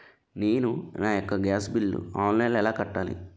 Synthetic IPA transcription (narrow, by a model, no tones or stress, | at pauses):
ne̞ːnunaːjokːɐɡaːsbilːṵaːnlɐjnlɛlaːkɐʈːaːlḭ